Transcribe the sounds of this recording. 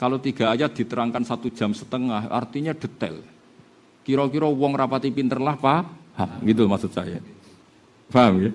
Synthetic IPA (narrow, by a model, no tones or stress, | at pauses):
kalot̪iɡ̥a̤ʔajad̪̥i̤t̪əɾaŋkansat̪ud̥ʒ̥a̤msə̥t̪əŋahʔa̰rt̪iɲɛɖ̥ə̤t̪ɛ̰l | kiɾɔkiɾɔwɔŋrapat̪ipint̪ərlahpahamɡit̪̬ulmaksut̪̚saja | faɦamɡa